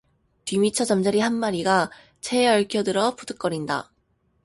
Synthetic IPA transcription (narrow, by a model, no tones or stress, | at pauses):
tɥimit͡ɕʰʌd͡ʑʌmd͡ʑaɾiɦanmaɾiɡa | t͡ɕʰeʌɭkʰjʌdɯɾʌpudɯk͈ʌɾinda̰